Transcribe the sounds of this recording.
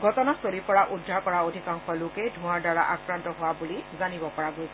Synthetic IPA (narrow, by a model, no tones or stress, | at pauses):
ɡʱɔtɔnasoɹipɔɹaʔudʱːaɹkɔɹaodʱikaŋxɔlokɛdʱũaɹdaɹa̰ʔa̰kɹantɔɦʊwabulizanibɔkɔɹaɡojsɛ